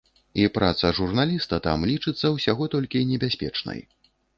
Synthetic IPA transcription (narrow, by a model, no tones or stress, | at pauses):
ipɾa̰t̪sɐʐurnalʲist̪ɐt̪a̰mlʲit͡ʂɨt̪sːɐwsʲaɣɔt̪ɔlʲkʲinʲɛbʲasʲpʲɛ̰t͡ʂnɐ̰j